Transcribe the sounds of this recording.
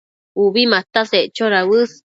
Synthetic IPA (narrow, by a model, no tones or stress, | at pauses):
uβimat̪aseʔt͡ʃoɾawɨs